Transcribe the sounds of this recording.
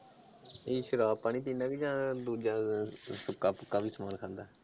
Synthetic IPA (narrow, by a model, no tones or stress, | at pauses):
eːʃəɾaːpːaːnĩːt̪iːnãːkid͡ʒãːd̪uːd͡ʒãːsʊkːãːpʊkːãːʋiːsəmaːnkʰãːnd̪aː